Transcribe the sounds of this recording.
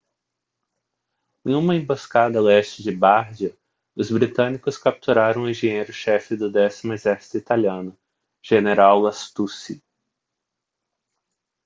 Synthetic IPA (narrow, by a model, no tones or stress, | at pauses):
ẽjũmɐẽboskad̪ɐlɛst͡ʃɪd͡ʒɪbaɾd͡ʒiɐ | ʊzbɾit̪ɐ̃nikʊskap̚t̪uɾaɾɐ̃w̃ʊẽʒẽɲejɾʊʃɛfɪd̪ʊd̪ɛsimʊezɛɾsi̥t̪ʊit̪aliɐ̃nʊ | ʒ̥eneɾawlast̪usi